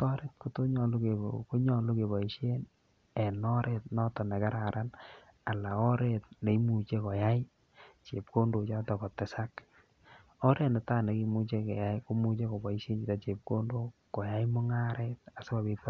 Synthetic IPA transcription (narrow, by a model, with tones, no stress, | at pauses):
tɔ˦ɾe˦t̚ko˨to˦ɲɔ˨lu˦ke˨ko˦ɲɔ˨lu˦ke˨bɔ˨i˨ʃe˦n | ɛ˨nɔ˦ɾʔe˨t̚nɔ˦tɔ˨nɛ˨ka˦ɾa˨ɾʔa˦n | a˨la˨ɔ˦ɾe˨t̚ne˨i˦mu˨t͡ʃe˦kɔ˨ja˦j | t͡ʃe˨p̚ko˦ndo˨t͡ʃa˦tɔ˨kɔ˨tɛ˨sa˦k | ɔ˦ɾʔe˦tne˨taː˦ne˨ki˦mu˦t͡ʃe˦kɛ̰˨ja˦jko˦mu˦t͡ʃe˦ko˨bɔ˨i˦ʃe˦nd͡ʒi˨ta˨t͡ʃe˨p̚ko˦ndo˦kɔ˨ja˦jmʊ˦ŋa˦ɾet̚a˨se˦ba˨be˦pɔ˦